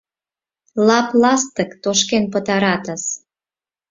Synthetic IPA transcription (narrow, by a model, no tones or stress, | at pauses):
lɑplɑst̪əkt̪oʃkenpət̪ɑɾɑt̪əs